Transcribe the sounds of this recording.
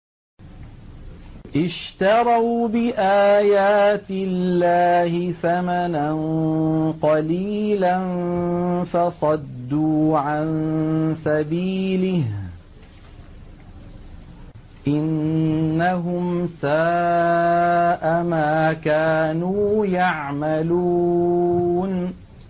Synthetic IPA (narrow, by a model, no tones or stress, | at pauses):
ʔɪʃt̪ɑɾˤɑwbɪʔaːjaːt̪ɪlːaːhɪθamanan | qɑliːlan | fɑsˤɑd̪ːuːʕannsabiːlɪh | ʔɪnː | aɦʊmsaː | ʔamaːkaːnuːjaʕmaluː | n